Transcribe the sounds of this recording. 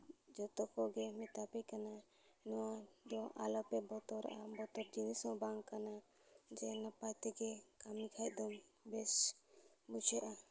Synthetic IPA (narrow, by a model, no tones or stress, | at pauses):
d͡ʒɔt̪ɔkɔɡɛmɛt̪apɛkana | ɛnɔwad̪ɔʔalɔpɛbɔt̪ɔɾa̰ʔabɔt̪ɔɾd͡ʒinisɔ̃baŋkana | d͡ʒɛnapajt̪ɛɡɛkamikʰaj̚d̪ɔmbɛs | but͡ʃʰɛʔa